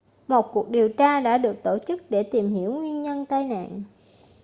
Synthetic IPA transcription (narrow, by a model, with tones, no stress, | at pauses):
mo˨˩t̚ku˨˩ək̚ɗi˨˩əwt͡ɕaː˧ɗa̰ː˧˥ɗɨ˨˩ək̚t̪o˧˩t͡ɕɨ˦˥k̚ɗe˧˩t̪i˨˩mhi˧˩əwŋwi˧ənɲə˧nt̪aː˧jna̰ː˧˨n